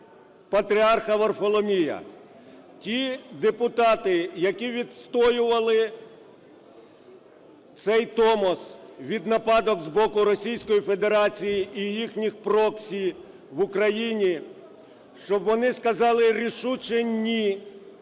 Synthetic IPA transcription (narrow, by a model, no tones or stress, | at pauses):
pɐt̪ɾʲiɑrxɐʋɔrfɔlˠɔmʲijɐ̰ | tʲid̪epʊt̪ɑt̪ɪjɐkʲiʋʲid̪st̪ɔjʊʋɐlˠɪ | t̪sɛjt̪ɔmɔsʋʲid̪nɐpɑd̪ɔɡzbɔkʊɾɔsʲijsʲkɔjife̞d̪e̞ɾɑt͡sʲijiːjixnʲixpɾɔksʲij | ʋʊkɾɐjinʲi | ʃt͡ʃɔbʋɔnɪskɐzɑlˠɪɾʲiʃut͡ʃenʲːi